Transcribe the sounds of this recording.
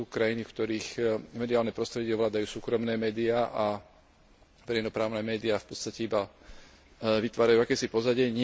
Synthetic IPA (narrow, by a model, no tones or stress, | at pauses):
uːkɾajinifkt̪ɔɾiːxmɛd̪iaːlnɛpɾɔst̪ɾɛɟɛɔʋlaːd̪ajuːsuːkɾɔmnɛːmɛːd̪iaːʔa | ʋɛɾɛjnɔpɾaːʊnɛːmɛːd̪iaːfpɔt̪st̪acɛiba | ʋit̪ʋaːɾajuakɛːsipɔzaɟɪɛɲɪ